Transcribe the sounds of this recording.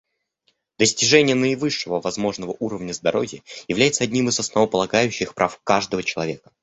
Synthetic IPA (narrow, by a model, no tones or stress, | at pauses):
d̪əsʲtʲɪʐɛnʲɪjənəɪvɨʂːəvəvɐzmo̞ʐnəvəʔuɾəvnʲəzd̪ɐɾo̞vʲɪjəjɪvlʲæjɪt̪səɐdʲnʲimɨzɐsnɐvəpəlˠɐɡajʉɕːɪxpɾʔafkaʐd̪əvət͡ɕɪlˠɐvʲe̞kə̥